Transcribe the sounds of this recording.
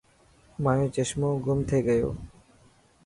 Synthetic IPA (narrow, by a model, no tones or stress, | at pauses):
maet͡ɕeʃmoɡomt̪ʰeɡɛo̰